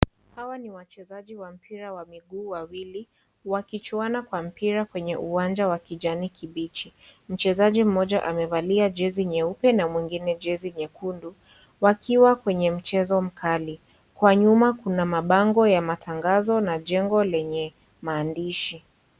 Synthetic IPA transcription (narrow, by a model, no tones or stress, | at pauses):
hawaniwat͡ʃɛzaʄiwam̩pʰiɾawamiɠuːwawili | wakit͡ʃuanakwam̩piɾakwɛɲɛʔuwand͡ʒawakiʄanikʰiɓit͡ʃim̩t͡ʃɛzaʄim̩mɔʄaʔamɛvaliaʄɛziɲɛupɛnamwiŋɡinɛʄɛziɲɛkundu | wakiwakwɛɲɛm̩t͡ʃɛzɔm̩kʰali | kwaɲumakunamaɓaŋɡɔjamatʰaŋɡazɔnaʄɛŋɡɔlɛɲɛ | maːndiʃi